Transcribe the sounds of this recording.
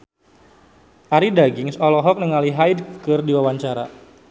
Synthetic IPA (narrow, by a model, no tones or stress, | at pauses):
ʔaɾidaɡɪŋsɔlɔɦɔk̚nəŋaliɦajdkɨrdiwawaɲt͡ʃaɾa̰